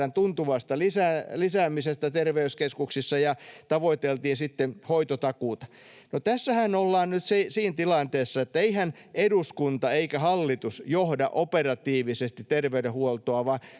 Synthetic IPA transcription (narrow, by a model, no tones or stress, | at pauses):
ænt̪unt̪uʋɑst̪ɑlisæːlisæːmisest̪æt̪erʋeyskeskuksisːɑjɑt̪ɑʋoit̪elt̪iːnsit̪ːehoit̪ot̪ɑkuːˑt̪ɑ̥ | not̪æsːæhænolːɑːnnyt̪siːsiːnt̪ilɑnt̪eːsːɑet̪ːæeihæneduskunt̪ɑeikæhɑlːit̪usjohdɑ̰ʔoperɑt̪iːʋisest̪it̪terʋeyɾehuolt̪oɑʋɑ